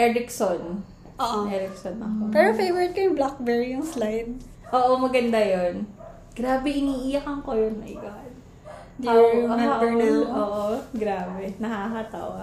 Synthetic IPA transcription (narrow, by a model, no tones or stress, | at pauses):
ʔɛɾɪkson | oʔʔɛɾɪk̚sonʔɐ̰kopɛɾofejvɛɹɪt̪̚kɐjɪblak̚bɛɹijʊŋslajd̪̚ | ʔoːʔomɐɡɐnd̪ajon | ɡ̥ɾaːbɛʔɪniːʔɪjɐkɐŋkojonmɐjɡad̪ | d̪awaʔoːʔoɡɾaːbɛnɐhaɦɐt̪a̰wɐ